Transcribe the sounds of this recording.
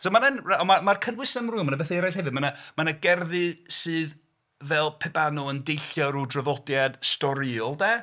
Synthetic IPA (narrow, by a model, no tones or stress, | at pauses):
somanənraɔmamarkʰənɡwɪsɛmruːmanabɛθaɾajhɛvɨdmanamanaɡɛrðɨsɨːð | vɛlˠpʰɛbanɔəndejɬjɔɾudrəvɔdjad̥stɔɾiɔlˠdɛː